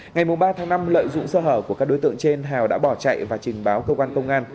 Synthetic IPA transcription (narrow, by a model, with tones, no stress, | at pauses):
ŋa˨˩jmʊ˨˩ŋ͡mɓaː˧t̪ʰaː˨˦ŋna˧mlə̰ː˧˨jzʊ̰˧˨ŋ͡msəː˧ɦəː˧˩ku˧˩kːaː˦˥k̚ɗo˨˦jt̪ɨ̰˧˨əŋt͡ɕe˧nɦaː˨˩wɗa̰ː˧˥ɓɔ˧˩t͡ɕa̰˧˨jvaː˨˩t͡ɕï˨˩ŋ̟ɓaː˨˦wkəː˧kwaː˧nkə˧wŋ͡mʔaː˧n